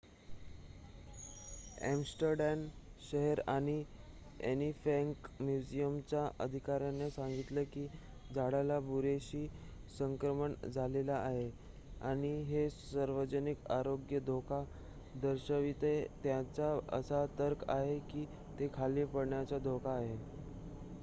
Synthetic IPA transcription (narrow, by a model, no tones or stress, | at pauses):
æ̰msʈəɾɖɛmɕəɦəɾaɽ̃i | ḛnifɛ̃ŋkmjud͡ʑijəmt͡ɕaʔəd̪ʱikaɾjanːesãŋɡit̪ləkiː | d͡zaɽalabuɾeɕiː | səŋkɾəməɳd͡zʱalelaːɦe | aɽ̃iɦesəɾʋəd͡ʑənikaɾoɡjəd̪ʱokʰa | d̪əɾɕəʋit̪et̪jat͡saə̰sat̪əɾkaɦekiː | t̪ekʰaliːpəɽɳjat͡sad̪ʱokʰaːɦe